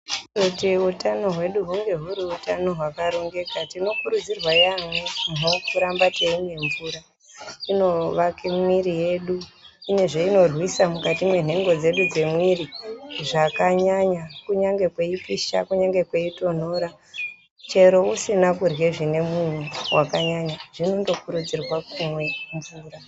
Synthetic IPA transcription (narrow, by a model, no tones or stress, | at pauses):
otiutano̞ɦwe̞ɗuɦuŋɡe̞ɦuɾiutano̞ɦwakaɾo̞ŋɡe̞katino̞kuɾud͡zirwajaŋonokuɾambateine̞ɱvuɾa | ino̞ʋakemwiɾije̞ɗuine̞ʐe̞ino̞rwisamukatimwe̞n̤e̞ŋɡo̞d͡ze̞ɗud͡ze̞mwiriʐakaɲaɲakuɲaŋɡe̞kwe̞ipiʃa̰kuɲaŋɡe̞kwe̞ito̞n̤o̞ːɾa | t͡ʃe̞ɾo̞usinakurweʐine̞mun̤uwʔakaɲaɲaʐ̥inondo̞kuɾud͡zirwakumwe̞ɱvuːra